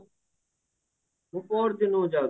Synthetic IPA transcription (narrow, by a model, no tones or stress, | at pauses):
ɦũːpoːɾd̪ɪnõːd͡ʒaː